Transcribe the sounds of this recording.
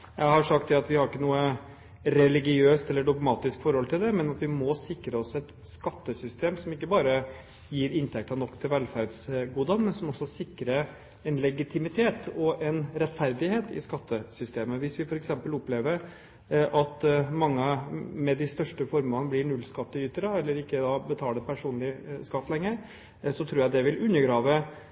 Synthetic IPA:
jʔæɪhɑʂɑk̚t̪̚d̪ɛɑt̪ʋɪhɑɾɪkːənuːə | ɾɛlɪɡɪøːst̪ɛlːəɖɔɡmɑːt̪ɪskfɔɾhɔlt̪ʰɪld̪ɛmɛnɑt̪ʋɪmɔsɪkːɾəɔsɛt̪ | skɑt̪ːəsʏst̪eːmsɔmɪkːəbɑːɾə | jiːɾɪnt̪ʰɛk̚t̪ɑnɔkːt̪ʰɪlʋɛlfæɾɖsɡuːd̪ɑnmɛnsɔmɔsːɔsɪkːɾə | ɛnlɛɡɪt̪ʰɪmɪt̪ʰeːt̪ɔʔɛnɾɛt̪fæɾd̪ɪheːt̪ɪ̰skɑt̪ʰːəsʏst̪eːməʋɪsʋɪfɔɾɛksɛmpəlɔpleːʋəɾ | ʔɑt̪mɑŋːəmɛd̪ɪst̪œʂʈəfɔɾmɑŋblɪɳʉlːskɑt̪ːəyːt̪əɾɑɛlːəɾɪkːəd̪ɑbət̪ʰɑːlɖ̪əpʰæʂuːnlɪskɑt̪ːlɛŋːəɾ | sɔt̪ʰɾuːjæɪd̪ɛʋɪlʉnːəɾɡɾɑːʋə

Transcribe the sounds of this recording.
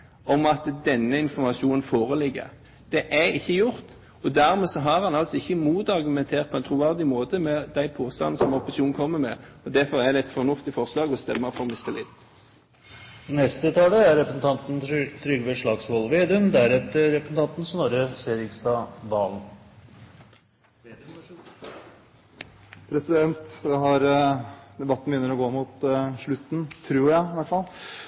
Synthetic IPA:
ɔmɑt̪d̪ɛnːəɪnfɔʁmɑʃuːnənfoːʁəlɪɡːə̰ʁ | d̪̥ɛʔæɪçːəjʊɾt̪ | ɔd̪æʁmɛːsɔɦɑʁhɑnɑlsɔɪçːəmuːt̪ɑʁɡʉmɛnt̪ʰeːʁt̪̚pʰɔɛnt̪ʰɾʊʋæʁd̪ɪmoːt̪əmɛd̪æɪpʰoːst̪ɑ̰n̩sɔmɔpɑsɪuːnkʰɔmːəmɛ̰ɔd̪æʁfɔʁæd̪ɛɛt̪fɔʁnʊft̪ɪfɔʁslɑːɡɔst̪ɛmːəfɔʁmɪst̪əlḭːd̪ | nɛst̪ət̪ʰɑːləæɾɛpɾəsn̩t̪ʰɑnt̪n̩t̪ʰɾʏɡʋeʂɭɑːɡsʋɔlˠʋeːd̪ʉənd̪æɾɛt̪əɾɾɛpɾəsn̩t̪ɑnt̪n̩sɔnɔɾəseːɾɪkst̪ɑːd̪ɑːln̩ | pʰɾɛsɪd̪ɛnt̪d̪ɛhɑɾ | d̪ɛbɑt̪ːn̩bjʏnːəɾɔɡoːmʊt̪ʂɭʉt̪ːn̩t̪ʰɾuːɾjæɪɪʋæʈfɑl

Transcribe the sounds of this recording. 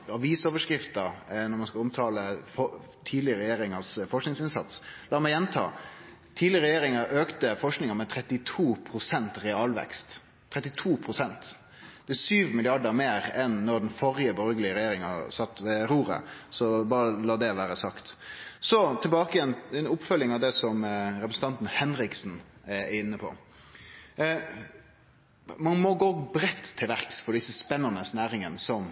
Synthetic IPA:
ɑʋiːsoːʋəʂkɾɪft̪əɾnɔɾmɑnskɑʊmt̪ʰɑːləfɔ | t̪ʰiːd̪lɪəɾɛjeːɾɪŋəsfɔʂknɪŋsɪnsɑ̰t̪slɑːɾmæɪjɛnt̪ʰɑ̰ː | t̪ʰiːd̪lɪəɾʁɛjeːɾɪŋəɾʔøːkt̪əfɔʂknɪŋəɾmɛt̪ʰɾɛt̪ːɪt̪ʰuːpʰɾʊsɛnt̪ɾɛɑːlʋɛ̰kst̪ʰː | ɾɛt̪ːɪt̪ʰuːpʰɾʊsɛnt̪ | d̪̥ɛsyːʋmɪlɪɑɖəmeːɾɛnːɔɾd̪ɛnfɔɾɪəbɔɾɡəlɪəɾɛjeːɾɪŋɑ̰sɑt̪ːʋɛɾuːɾə̰sɔbɑːɾəlɑːd̪ɛʋæːɾəsɑkt̪sɔt̪ʰɪlbɑːkəjɛnɛnʊpːfœlːɪŋɑʋd̪ɛsɔmɾɛpɾsn̩t̪ʰɑnt̪n̩hɛnɾɪksnɛæɪnːəpʰɔ̰ | mɑnmoɡoːbɾɛt̪ʰːɪlʋæɾksfɔɖɪsːəspɛnːɑnəsnæːɾɪŋənəsɔm

